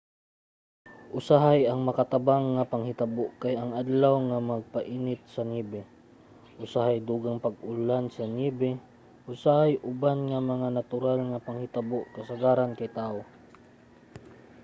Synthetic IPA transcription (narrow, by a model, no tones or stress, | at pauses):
ʔʊsaɦajɐŋmɐkat̪abaŋːapaŋhɪt̪aboʔkajɐŋʔad̪lawŋamaɡ̚paʔiːnɪt̪̚sɐniːbɪ | ʔʊsahajd̪uːɡaŋpɐɡʊlansɐniːbɪ | ʔʊsahajʔʊbanŋamɐŋanat̪ʊɾalŋapaŋhɪt̪aboʔkɐsaɡaɾankajt̪aːʔo